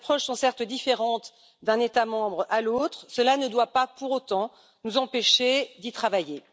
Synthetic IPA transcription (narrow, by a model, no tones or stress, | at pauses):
pχɔʃsɔ̃sɛʁt̪d̪ifeʁɑ̃t̪ | d̪ɛ̃net̪amɑ̃bʁalot̪χsəlanəd̪wapapuʁot̪ɑ̃ | nuzɑ̃peʃed̪it̪χavaje